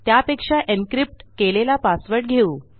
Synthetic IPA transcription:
t̪japekʂaʔenkɾip̚ʈkelelapasʋəɾʈ̚ɡʱeuː

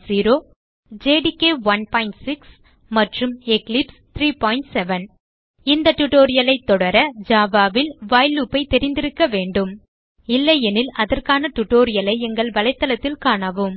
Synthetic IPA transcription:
siːɾoː | d͡ʒeːɽikeːʋɐnpaːɪɳʈsɪks | mɐʈrɯmɛklɪpst̪ʰɾiːpɔːɪɳʈsɛʋɐn | ɪnd̪ɐʈʊʈːoːɾɪjɐlɐɪt̪ːɔɽɐɾɐd͡ʒaːʋaːʋɪlʋaːjluːpːɐɪt̪ɛɾɪnd̪ɪɾɯkːɐʋeːɳɖɯm | ɪlːɐjɛnɪlɐðɐrkaːnɐʈ̪ʊʈːoːɾɪjɐlɐɪɛŋɡɐɭʋɐlɐɪt̪ːɐlɐt̪ːɪlkaːɳɐʋɯm

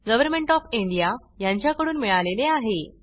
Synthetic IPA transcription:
ɡəʋəɾmeɳʈɔfiɳɖija | jaɲt͡ɕjakəɽuːnmiɭaleleaɦe

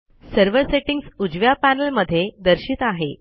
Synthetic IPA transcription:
səɾʋəɾseʈiŋɡsud͡ʑʋjapænəlməd̪ʱːjed̪əɾɕiːt̪aɦe

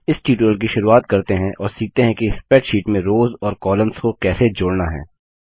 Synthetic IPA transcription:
ɪsʈiːʈɾəlk̬iʃʊɾuaːt̪kɐɾt̪eɦɛ̃ʔɔːɾsiːk̚t̪eɦɛ̃kispɛʈʃiːʈmẽɾoːzɔːɾkɔːlə̃mskokɛːsed͡ʒʊːɽnaɦɛ̰̃ː

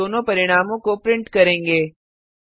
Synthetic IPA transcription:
oːnõpɐɾɪɽ̃aːmõkopɾɪ̃ɳʈkɐɾẽːŋɡeː

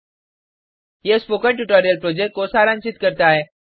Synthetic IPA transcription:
jespoːkəɳʈuʈoːɾijəlpɾoːd͡ʑeʈ̚kosaːɾãːnt͡ʃɪt̪kəɾt̪aɦeː

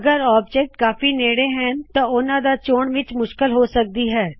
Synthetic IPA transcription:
ɡəɾaːb̚d͡ʒeːk̚ʈkaːfiːneːɽeːɦɛnt̪ãːʊnãːd̪aːt͡ʃoːɳʋɪt͡ʃmʊʃkəlɦoːsək̚d̪iːɦɛː

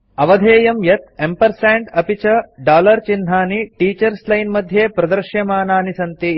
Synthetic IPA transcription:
ɐʋɐd̪ʱeːjɐmjɐt̪̚empɐɾsaːɳʈɐpit͡ʃɐɖaːlɐɾt͡ʃind̪ʱaːniʈiːt͡ʃɐɾslɐjnmɐd̪ʱjeːpɾɐd̪ɐɾʃjɐmaːnaːnisɐnt̪i

